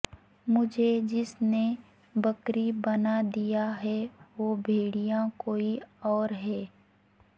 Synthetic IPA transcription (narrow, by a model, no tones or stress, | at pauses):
mʊd͡ʒʱed͡ʒɪsne | bəkɾibɐnad̪ijaɦɛʋoːbʱeːɽijãkoːiɔːɾɦɛː